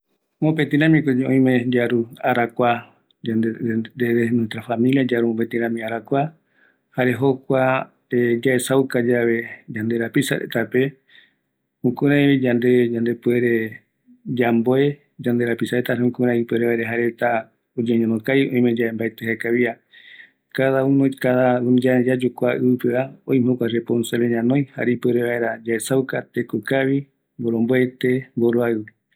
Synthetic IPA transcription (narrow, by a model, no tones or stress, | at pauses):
mõpet̪ĩɾãmĩkod͡ʒeõĩmẽd͡ʒaɾuaɾakʷa | eɾenũt̪ɾafamĩliad͡ʒaɾumõpet̪ĩɾãmĩaɾakʷa | haɾe̞ɦo̞kʷa | ed͡ʒaesaukad͡ʒaβe̞d͡ʒand̪e̞ɾapisa̰ɾḛt̪ape̞ | hũkũɾãĩβid͡ʒand̪e̞d͡ʒand̪e̞pueɾe̞ | d͡ʒamboe̞ | d͡ʒand̪e̞ɾapisaɾet̪aɾeũkũɾãipweɾeβaeɾeɦaɾet̪a | od͡ʒeɲõnokajõ̰ĩmẽd͡ʒaembaet̪ehekaβia | kaðaũnõjkaðaund͡ʒad͡ʒad͡ʒukʷaʔɨɨpeβaõj̃mõkʷaɾeponsaleɲãnõj̃ha̰ɾipeɾeβaeɾad͡ʒaesawkat̪ekokaβi | mboɾomboet̪e̞mboɾoaɨ